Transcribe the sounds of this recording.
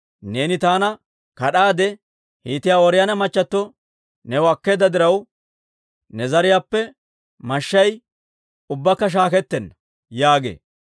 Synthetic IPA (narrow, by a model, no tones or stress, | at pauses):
ne̞ːnɪt̪aːnɐ | kɐɗaːd̪ɛ | hiːt̪ɪjaːwɔɾɪjɐnɐmɐt͡ʃːɐt̪ːɔ | nɛwɐkːe̞ːd̪ːɐd̪ɪɾɐw | nɛzɐɾɪjaːpːɛ | mɐʃːɐj | ʊbːɐkːɐʃ̬aːkɛt̪ːɛnːɐ | jaːɡḛː